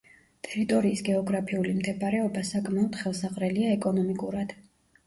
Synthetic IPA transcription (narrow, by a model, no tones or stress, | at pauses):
t̪ʼɛɾit̪ʼɔɾiːsɡɛɔɡɾapʰiulimd̪ɛbaɾɛɔbasakʼmaɔd̪̥χɛlˠsaʁʼɾɛliaɛkʼɔnɔmikʼuɾad̪̥